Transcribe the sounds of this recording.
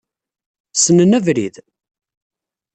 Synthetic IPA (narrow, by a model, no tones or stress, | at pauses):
sənənævɾḭð